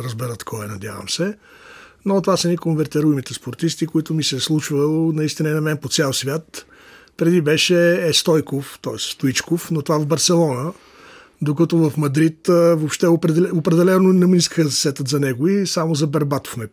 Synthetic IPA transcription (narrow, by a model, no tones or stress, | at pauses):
ɾəzbɛɾət̪kʰɔɛnɐd̪ʲja̰və̰msɛ | not̪ovasɐnikonvɛɾt̪ɛɾuimit̪ɛspoɾt̪ist̪ikʊit̪ʊmisɛslˠut͡ʃvəlˠnɐist̪inəinɐmɛnpot̪sʲɛlˠsvʲjat̪ | pɾɛd̪ibɛʃɛːst̪ɔjkoft̪ɔɛsst̪oit͡ʃkofnot̪ovavbɐɾsɛlˠɔnə | d̪okɐt̪ovəfmɐd̪ɾit̪vopʃt̪ɛopɾɛɛɛopɾɛd̪ɛlɛnonɐminiskəxəzɐsɛt̪ət̪zɐnɛɡʊisamozɐbɐɾbat̪o̥fmɛ